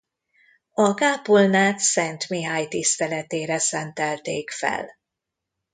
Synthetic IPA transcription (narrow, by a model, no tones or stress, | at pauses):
ɒɡaːpolnaːt̪sɛnt̪miɦaːjt̪ist̪ɛlɛt̪eːɾɛsɛnt̪ɛlt̪eːkfɛ̰l